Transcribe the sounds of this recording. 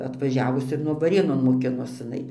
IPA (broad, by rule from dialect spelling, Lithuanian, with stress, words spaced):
ɐtʋɐˈʒʲæːʋʊs ɪr nʊ ʋɐˈrʲeːnoːn moːˈkʲɪnoːs ɪˈnɐɪ